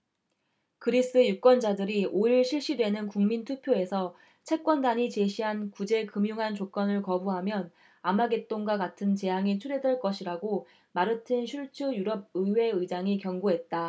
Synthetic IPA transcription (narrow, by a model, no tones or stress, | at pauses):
kɯɾis͈ɯjuk͈wʌnd͡ʑadɯɾioiɭɕʰiɭɕ͈idwe̞nɯnkuŋmintʰupʰjoe̞sʰʌ | t͡ɕʰe̞k̚k͈wʌndaɲit͡ɕe̞ɕʰiɦankud͡ʑe̞kɯmjuŋɦant͡ɕok͈ʌnɯɭkʌbuɦamjʌn | amaɡet͈oŋɡwakatʰɯnt͡ɕe̞jaŋit͡ɕʰuɾedweɭk͈ʌɕʰiɾaɡo | maɾɯtʰɯnɕʰuɭt͡ɕʰɯjuɾʌb̚ɯwe̞ɯid͡ʑaŋikjʌŋɡoɦe̞t̚t͈a